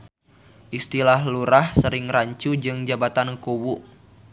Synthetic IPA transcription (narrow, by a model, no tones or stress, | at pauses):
ʔist̪ilahluɾahsəɾɪŋraɲt͡ʃud͡ʒɨŋd͡ʒabat̪ankowuʔ